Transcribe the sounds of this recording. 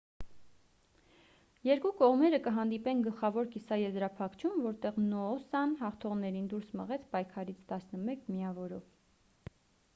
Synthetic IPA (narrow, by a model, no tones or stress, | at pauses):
jɛɾkukɔʁmɛɾəkəɦɑnd̪ipɛnɡəlχɑvɔɾkisɑjɛzɾɑpʰɑkʰt͡ʃʰumvɔɾt̪ɛʁnɔːsɑnhɑχt̪ʰɔʁnɛɾind̪uɾsmə̰ʁɛt͡sʰpɑjkʰɑɾit͡sʰt̪ɑsnəmɛkʰmiɑvɔɾɔv